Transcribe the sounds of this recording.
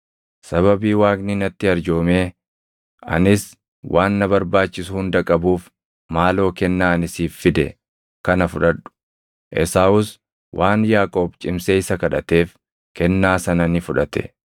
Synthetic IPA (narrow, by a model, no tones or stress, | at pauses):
sɐβɐbiːwaːkninɐt̪ːɪɐɾd͡ʒo̞ːmeː | ɐ̰nɪs | wʔaːnːɐbɐɾbaːt͡ʃːɪsʊhʊnd̪ɐkʼɐbuːf | maːlo̞ːkɛnːaːɐnɪsiːfːɪd̪ɛ̰ | kɐnɐfʊᶑɐᶑʊ̥ | ʔɛ̰saːʊs | wʔaːnjaːkʼo̞ːbt͡ʃʼɪmseːɪsɐkɐᶑɐt̪eːf | kɛnːaːsɐnɐnɪfʊᶑɐt̪ɛ̰